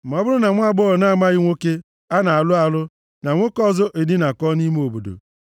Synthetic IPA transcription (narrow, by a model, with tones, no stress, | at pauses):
ɔ˦bʊ˦ɾʊ˦na˨ŋʷ˦a˦ɡ͡bɔ˦˨na˦˨ma˦ɣɪ˦ŋʷo˦ke˦ | a˦na˨a˨lʊ˦a˨lʊ˦ | na˨ŋʷo˦kɔ˦zɔ˦ʔe˨dɪ˦na˨kɔ˦ni˦m˦o˨bo̰˨do̰˨